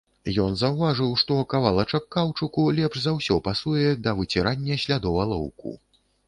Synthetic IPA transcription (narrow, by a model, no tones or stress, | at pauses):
jɔnzɐwvaʐɨwʂt̪ɔkavalˠɐt͡ʂɐkːawt͡ʂɨkulʲɛpʂzawsʲɔpasujɛd̪ɐvɨt͡sʲɛɾanʲːɐsʲlʲad̪ɔwɐlˠɔ̰wkṵ